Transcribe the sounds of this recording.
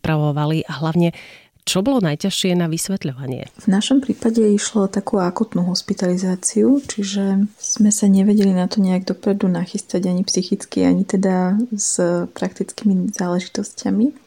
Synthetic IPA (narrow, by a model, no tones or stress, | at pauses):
pɾaʋɔʋaliʔaɦlaʊɲɛ | t͡ʃɔbɔlɔnajcaʃɪɛnaʋisʋɛt̪ʎɔʋaɲɪɛ̰vnaʃɔmpɾiːpaɟɛiʃlɔɔt̪akuakuːt̪nuɦɔspit̪alizaːt͡siut͡ʃiʒɛz̥mɛsaɲɛʋɛɟɛlinat̪ɔɲɛaɡd̪ɔpɾɛd̪unaxist̪aɟaɲipsixit͡skiaɲit̪ɛd̪az̥pɾakt̪it͡skimizaːlɛʒit̪ɔscami